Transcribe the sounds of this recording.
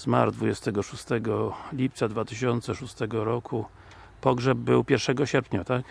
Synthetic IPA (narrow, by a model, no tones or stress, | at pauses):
zma̰ɾd̪vud͡ʑɛst̪ɛɡɔʂust̪ɛɡɔlʲipt̪sad̪vat̪ɘɕɔnt̪sɛʂust̪ɛɡɔɾɔkʰu | pɔɡʐɛb̚bɘwpʲjɛɾʂɛɡɔɕɛɾpʲɲat̪ak